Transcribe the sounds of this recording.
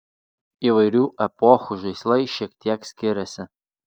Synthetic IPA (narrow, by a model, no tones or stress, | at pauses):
iʋɐɪɾʲuːʔɛpɔːxuʒɐɪslˠɐɪʃʲiɛkt̪ʲiɛksʲkʲɪɾʲɛsʲɪ